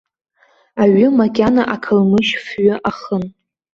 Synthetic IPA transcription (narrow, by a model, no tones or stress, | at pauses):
aɥʊmakʲʼanaʔakʰalmɨʃfɥʊʔaχən